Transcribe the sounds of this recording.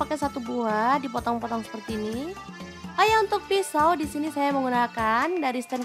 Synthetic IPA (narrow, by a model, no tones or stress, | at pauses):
pakɛsat̪ubuadipɔt̪ɔŋpɔt̪ɔŋsə̥pərt̪iːni | ajaunt̪ʊk̚fisawdisinisajaməŋɡunakandaɾist̪ɛn